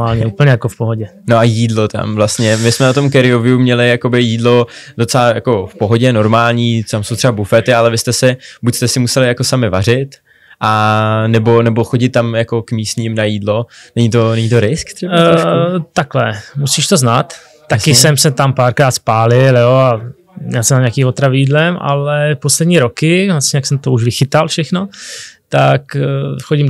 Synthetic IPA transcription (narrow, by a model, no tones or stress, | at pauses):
aːlɲɛupl̩ɲɛjakofpoɦoɟɛ | noajiːdlot̪a̰mvlast̪ɲɛmɪsmɛnat̪o̞mkɛɾɪovɪjumɲɛlɪjako̞bɪjiːdlo̞dot͡sɛlajako̞fpoɦoɟɛno̞ɾmaːlɲiːt̪amso̞wt̪r̥ɛbabufɛt̪ɪalɛvɪst̪ɛsɪbucst̪ɛsɪmusɛlɪjakosamɪvar̝ɪt̪ | ʔanɛbo̞nɛboxoɟɪt̪̚ːamjako̞kmiːst̪ɲiːmnajiːdlonɛɲit̪onɛɲit̪oɾɪskt̪r̥ɛat̪aklɛ̰musiːʃt̪o̞znat̪ː | akɪsɛmsɛt̪ampaːɾkɾaːt̪spaːlɪljoa | ɲɛlsɛmaɲakiːmot̪ɾaviːdlɛma̰lɛposlɛdɲiːɾokɪvlasɲɛjaksɛmt̪ouʒvɪxɪt̪alfʃɛxno̞t̪akxoɟɪm